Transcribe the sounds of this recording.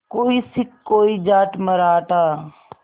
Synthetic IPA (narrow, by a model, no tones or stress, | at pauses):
koːisɪkːoːid͡ʒaːʈməɾaːʈaː